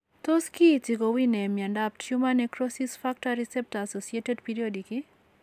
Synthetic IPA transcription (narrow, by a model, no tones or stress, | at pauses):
t̪oskitiɡowinɛmjandap̚tʃumanɛkɾosisfak̚taɾisɛp̚tasosietedpiɾiodikɪ